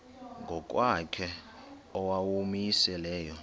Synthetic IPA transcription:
ŋɡʱɔk̬ʼwakʰɛ | ɔwawumisɛlɛːjɔ

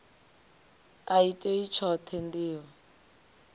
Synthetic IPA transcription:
aitʼɛit͡ʃʰɔtʰendiːwɔ

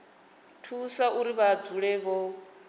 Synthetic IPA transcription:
tʰusaʔuɾiβad͡zuɺɛβɔ

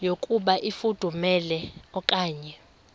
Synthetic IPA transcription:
jokʼuɓaʔifud̥ʱumɛlɛɔkʼaːɲɛ

